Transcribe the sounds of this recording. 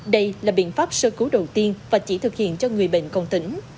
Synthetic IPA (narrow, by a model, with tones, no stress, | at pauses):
ɗə˧jlaː˨˩ɓḭ˧˨ənfaː˦˥p̚səː˧kɨ˨˦ɗə˨˩wt̪i˧ənvaː˨˩t͡ɕi˧˩t̪ʰɨ˨˩k̚hḭ˧˨ənt͡ɕɔ˧ŋɨ˨˩əjɓḛ˧˨ŋ̟kɔ˨˧˩nt̪ï˧˦ŋ̟